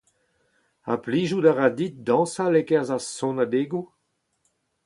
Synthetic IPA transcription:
a̰pliːʒudaʁadit̪̚dɑ̃ːsalekɛʁzasɔ̃nad̪eːɡu

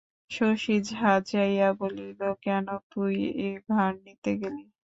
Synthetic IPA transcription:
ʃoʃid͡ʑɦad͡ʑajjabolilokɛnot̪ujebʱaɾnit̪eɡeli

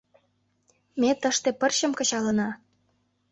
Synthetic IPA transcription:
met̪əʃt̪ĕpərɕə̆mkɤ̆ɕɑlə̆nɑ

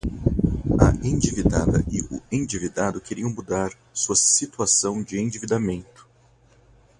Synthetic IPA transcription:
ɐẽd͡ʒivid̪a̰d̪ɐ̰ɪʊ̰ẽd͡ʒivid̪ad̪ʊkeɾiɐ̃w̃mud̪aɾ | suɐsit̪uasɐ̃w̃d͡ʒɪẽd͡ʒivid̪amẽnt̪ʊ̥

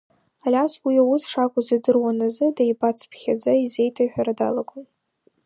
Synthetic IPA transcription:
alʲaswiawʊsʂakʷʼʊzadɨrwanazɨdajbat͡sʰpʰχʲad͡zaize̞jtʰaħᶣaɾada̰laɡʷʼʊm

